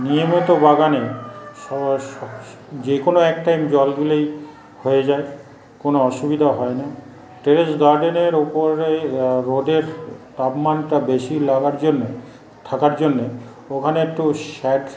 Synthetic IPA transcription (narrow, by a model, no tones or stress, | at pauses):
niomot̪obaɡaneʃɔɔ | d͡ʑekonoɛkʈajmd͡ʑɔlɡulej | hojed͡ʑae | konoɔʃubid̪ʱaɦɔena | ʈeɾesɡaɾɖeneɾupoɾeɾoɖeɾt̪apmanʈabeʃilaɡaɾd͡ʑonːe | t̪ʰakaɾd͡ʑonːe | okʰaneek̚ʈuʃɛʈ